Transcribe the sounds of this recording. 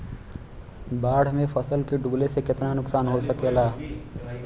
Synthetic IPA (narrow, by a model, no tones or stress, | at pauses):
baːɽ̤mẽfɐsəlkeɖuːɡlesekɪt̪nanʊksaːnɦosɐkeːlaː